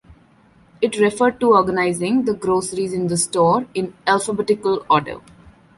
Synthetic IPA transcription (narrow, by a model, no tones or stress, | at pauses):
ɪʈɾɛfəɾɖ̚ʈuɔːɾɡənaɪzɪ̃ŋd̪əɡɾoːsəɾizɪ̃nd̪əsʈɔːɾɪ̃nælfəbɛʈɪkəlɔːɖə̰